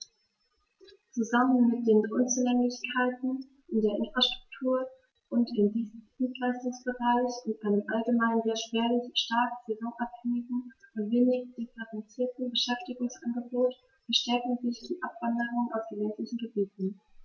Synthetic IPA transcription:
t͡suzamənmɪt̚d̥eːnʔʊnt͡sulɛŋlɪçkʰaɪtn̩ | ʔɪndeːɐʔɪnfʁ̥aʃtʁ̥ʊk̚tʰuːɐ | ʔʊntɪmdiçtɪitlaɪstʊŋsb̥əʁaɪçʊntʔaɪnəmʔalɡəmaɪnənzeːɐʃv̥eːɐlɪçʃtaɐkz̥ezɔːŋʔaphɛŋɪɡŋ̩ʊntv̥eːnɪçd̥ɪfəʁɛnt͡siːɐtn̩bəʃɛftɪɡʊŋsʔanɡəboːt | b̥əʃtɛɐkŋ̩zɪçd̥iːʔapv̥andəʁʊŋənaʊfd̥eːnlɛntlɪçn̩ɡəbiːtn̩

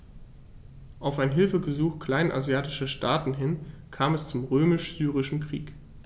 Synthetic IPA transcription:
ʔaʊfaɪnɦɪlfəɡəzuːxkʰl̥aɪnʔa̰zjaːtɪʃɐʃtʰaːtn̩ɦɪnkʰaːmɛst͡sʊmʁøːmɪʃz̥yːʁ̞ɪʃn̩kʁ̥ḭːk

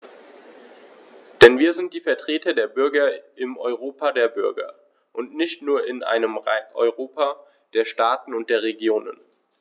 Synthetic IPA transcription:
d̥ɛnviːɐzɪnt̚d̥iːfɛɐtʁ̥eːtɐdeːɐbʏɐɡɐʔɪmɔʏʁoːpadeːɐbʏɐɡɐ̰ | ʔʊntnɪçtnuːɐɪnʔa̰ɪnəmʁaɪʔɔ̰ʏʁoːpʰa | d̥eːɐʃtaːtn̩ʊnt̚d̥eːɐʁ̞eɡjoːnə̰n

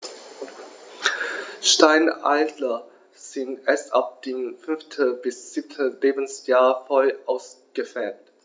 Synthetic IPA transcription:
ʃtaɪna̰ɪtlɐ | z̥ɪntɛsʔap̚d̥eːmfʏnftʰəb̥ɪsz̥iːp̚tʰəleːbn̩sjaːɐfɔlʔaʊsɡ̥əfɛːt

